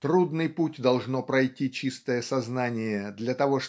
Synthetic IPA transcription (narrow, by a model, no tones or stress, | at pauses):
t̪ɾud̪nɨjputʲd̪ɐlˠʐnopɾɐjtʲit͡ɕist̪əjəsɐznanʲɪjəd̪lʲɐt̪ɐvo̞ʂ